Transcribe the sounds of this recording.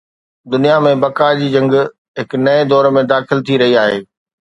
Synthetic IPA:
d̪ʊnijamẽbɐkaːd͡ʑiːd͡ʑɐ̃ŋɡ | ɦɪknɐed̪ɔːɾmẽd̪aːxɪlt̪ʰiɾɐɦiaːɦeː

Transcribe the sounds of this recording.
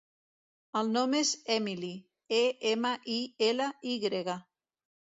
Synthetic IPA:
əlˠnomezɛmili | eemaʔielaiɣɾeɣa

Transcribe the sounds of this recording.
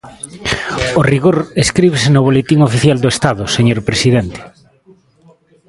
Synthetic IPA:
oriɣoɾeskɾiβesenʊβ̞olet̪iŋofiθjald̪oest̪aðʊseɲoɾpɾesiðɛnt̪e̥

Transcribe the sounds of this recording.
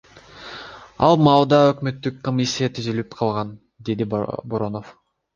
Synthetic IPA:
ɑ̰lˠmɑlˠd̪ɑøkmø̞t̪ːykkomʲisʲːijat̪ʰyzylypqʰɑlˠʁɑn | d̪e̞d̪iboɾo̞no̞f

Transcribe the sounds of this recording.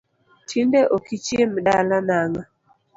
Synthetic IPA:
tʰindɛʔokit͡ʃemɗalanaŋa

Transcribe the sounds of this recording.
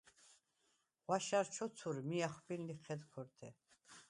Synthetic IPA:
ʁwaʃaɾt͡ʃʰɔt͡s̪ʰuɾmiaχbinliχʰɛd̪kʰɔɾt̪ʰɛ

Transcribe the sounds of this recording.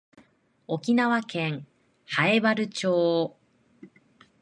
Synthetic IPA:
o̞kʲinaβakẽŋ | haebaɾɯ̟t͡ɕoː

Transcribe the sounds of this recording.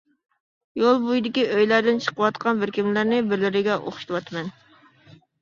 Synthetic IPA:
jolˠbujd̪ɪkʲiøjlæɾd̪ɪnt͡ʃʰə̥qəwɑt̪qʰɑnbɪɾkʲimlæɾnɪbɪɾlɪɾɪɡʲɛʔo̰χʃit̪ɨwɑt̪ʰɨmɛn

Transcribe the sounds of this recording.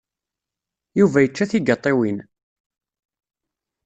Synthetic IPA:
juvæjət͡ʃːæθiɡɑt̪ˤːɪwin

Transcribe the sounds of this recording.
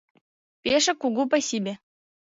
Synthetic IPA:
pʲeʂɘ̆kuɡupasibʲe

